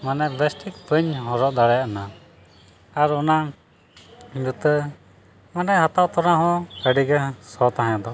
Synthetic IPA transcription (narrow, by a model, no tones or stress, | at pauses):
manɛbɛsʈik̚pəɲɦɔ̃ɾɔʔd̪aɽɛjaʔana | aɾɔna | lut̪ə | manɛɦat̪awt̪ɔɾaɦɔ̃əɖiɡɛsɔt̪aɦãjɔ̃d̪ɔ